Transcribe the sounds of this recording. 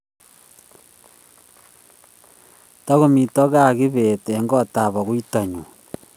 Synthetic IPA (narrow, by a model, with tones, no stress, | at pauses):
ta˦ɣo˦mi˨to˦ɣa˦ɣi˦βe˨teː˨˦ŋɡɔ˦ta˨βɔ˨ɣwi˦ta˨ɲu˨